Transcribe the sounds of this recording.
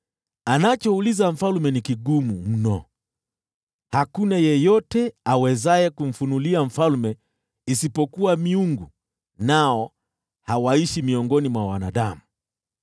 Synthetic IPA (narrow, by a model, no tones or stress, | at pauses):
anat͡ʃɔulizaɱ̩falmɛnikiɠumum̩nɔ̰ | hakunajɛjɔtɛawɛzaɛkum̩funuliaɱ̩falmɛ | isipɔkuwamiuŋɡu | naɔ | hawaiʃimiɔŋɡɔnimwawa̰na̰ɗamu